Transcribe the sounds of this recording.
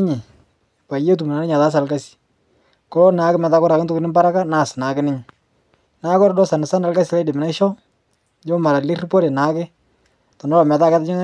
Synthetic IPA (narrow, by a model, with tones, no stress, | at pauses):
ɲɪ˨ | pa˨je˦t̬u˨mu˨na˨nɪ˦ɲa˨ta˦s̬a˨lka˦si̥˨ | kɔ˦lɔ˦na˨˦kɪ˦mɛ˨ta˦kɔ˦ɾa˨kɪ˦tʊ˦kɪ˦nɪ˦mba˦ɾa˦ka˦na˨sna˨kɪ˦nɪ˦ɲɪ˨ | na˦kɔ˦ɾdɔ˦sa˨nɪ˨sa˦nalka˦si˨la˦jdɪ˨mɪna˦ʃɔ˦ | d͡ʒo˦ma˨ɾa˨lɪ˦rpɔ˦ɾɛ˨na˨˦kɪ˦ | tɔ˨nɔ˦lɔ˨mɛ˨ta˦kɛ˦ta˦ɲɔ˦ŋ˦